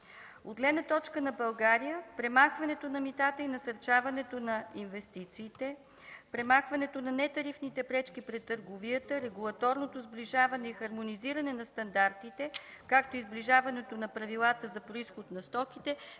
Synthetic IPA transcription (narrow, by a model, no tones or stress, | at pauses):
od̪ɡlɛnət̪ɔt͡ʃkənɐbɐlˠɡaɾijəpɾɛmaxvɐnɛt̪onɐmit̪at̪əinɐsɐɾt͡ʃavɐnɛt̪onɐinvɛst̪it̪siːt̪ɛ | pɾɛmaxvɐnɛt̪onɐnɛt̪ɐɾifnit̪ɛpɾɛt͡ʃkipɾɛt̪ːəɾɡoviət̪əɾɛɡulˠɐt̪ɔɾnot̪ozbliʒavɐnɛixɐɾmoniziɾɐnɛnɐst̪ɐnd̪aɾt̪it̪ɛ | kak̚t̪oizbliʒavɐnɛt̪onɐpɾɐvilˠat̪əzɐpɾoisxot̪nɐst̪ɔk̟it̪ɛ